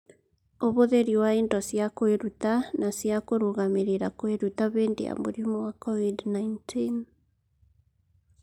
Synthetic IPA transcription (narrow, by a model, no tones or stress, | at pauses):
oβoðeɾiwaendɔsjakoeɾutanasjakoɾoɣameɾeɾakweɾutaβeːndḛja̰moɾimɔwakɔvidnaintʰin